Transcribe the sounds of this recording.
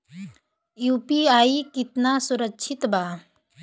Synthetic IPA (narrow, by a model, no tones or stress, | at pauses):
juːpiaːikɪt̪nasʊɾəkʃʰɪt̪baː